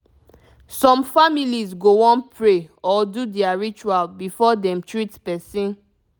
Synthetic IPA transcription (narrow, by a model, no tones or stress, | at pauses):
sɔ̃mfamilizɡowɔ̃npʰɹeɔdudɛaɹit͡ʃualbifɔdɛ̃mtɹitpɛsĩn